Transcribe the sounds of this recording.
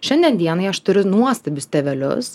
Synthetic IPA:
ʃʲɛnʲd̪ʲiɛnd̪ʲiɛnɐɪɐʃt̪ʊɾʲʊnuɔst̪ɐbʲʊst̪ʲɛʋʲɛlʲʊ̰s

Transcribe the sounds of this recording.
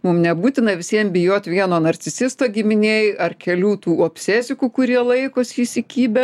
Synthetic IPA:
mʊmnʲɛbuːt̪ʲɪnɐʋʲɪsʲiɛmbʲɪjoːt̪ʲʋʲiɛnoːnɐrʲt͡sʲɪsʲɪst̪oːɡʲɪmʲɪnʲeːjɐrkʲɛlʲuːt̪uːoːpʲsʲeːsʲɪkukʊɾʲiɛlˠɐɪkoːsʲisʲɪkʲiːbʲɛ

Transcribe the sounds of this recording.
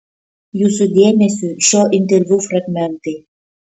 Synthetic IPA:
jusud̪ʲemʲesʲyɕɔʔint̪̬erʲvʲufraɡmʲɛnt̪e

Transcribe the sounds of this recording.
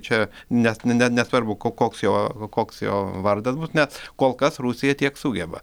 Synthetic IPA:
t͡ʃʲɛ | nʲɛsʲnʲɛt̪nʲɛsʋɐɾbʊkokoːksjoːkoːksjo̰ːʋɐrd̪ɐsbusnʲɛskoːlˠkɐsruːsʲɪjɛt̪ʲiɛksuːɡʲɛbɐ̰

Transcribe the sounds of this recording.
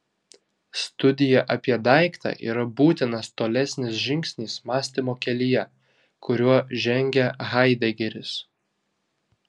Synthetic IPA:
st̪ʊd̪ʲɪjɛʔɐpʲiɛd̪ɐˑɪkt̪ɑ̰ʔḭːɾɐbuːt̪ʲɪnɐst̪oːlʲɛsʲnʲɪsʒʲɪŋʲksʲnʲiːsmɑːsʲt̪ʲimoːkʲɛlʲijɛ | kʰʊɾʲuɔʒʲɛŋʲɡʲɛɣɐɪd̪ʲɛɡʲɛɾʲɪs

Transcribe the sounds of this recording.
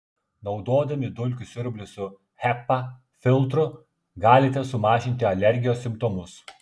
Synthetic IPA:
nɒʊd̪oːd̪ɐmʲɪd̪ʊlʲkʲʊsʲɪɾʲbʲlʲɪsʊ | xʲɛpːɐ | fʲɪlˠt̪ɾʊ | ɡɑːlʲɪt̪ʲɛsʊmɑːʒʲɪnʲt̪ʲɪɐlʲɛɾʲɡʲɪjoːsʲɪmpt̪ɔmʊs

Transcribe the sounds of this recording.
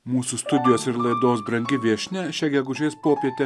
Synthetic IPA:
muːsust̪ʊd̪ʲɪjoːsɪɾlˠɐɪd̪oːsbɾɐŋʲɡʲɪʋʲiɛʃʲnʲɛʃʲɛɡʲɛɡʊʒʲeːspoːpʲiɛt̪ʲe

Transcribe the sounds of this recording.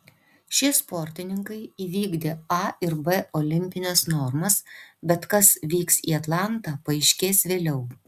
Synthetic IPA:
ʃʲiɛspɔɾʲt̪ʲɪnʲɪŋkɐɪiːʋʲiːɡd̪ʲeːɐɪɾbɛoːlʲɪmʲpʲɪnʲɛsnɔɾmɐsbʲɛt̪kɐsʋʲiːksḭːɐt̪lˠɑˑnt̪ɑːpɐɪʃʲkʲeːsʋʲeːlʲɛʊ

